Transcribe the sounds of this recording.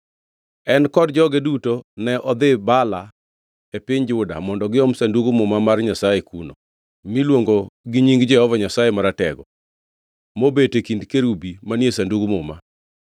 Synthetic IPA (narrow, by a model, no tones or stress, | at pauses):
ɛnkɔdd͡ʒɔɡedutonɛʔɔd̪ɪbala | epɪɲd͡ʒʊda̰mɔndɔɡɪɔmsanduɡumʊmamarɲasajekuno̰ | milwoŋɡoɡɪɲiŋɡd͡ʒɛɔvɔɲasajemaɾatɛɡɔ | mobetekindkeɾubimanjesanduɡmʊma̰